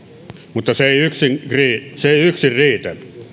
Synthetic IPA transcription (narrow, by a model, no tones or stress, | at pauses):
mut̪ːɑseeˑiyksiŋriːseeˑiyksirriːt̪ænː